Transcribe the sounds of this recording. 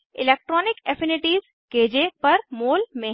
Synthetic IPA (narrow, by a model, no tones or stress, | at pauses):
ɪlek̚ʈɾɔːnɪkefʰɪnɪʈiːz | keːd͡ʑepɐɾmoːlmẽ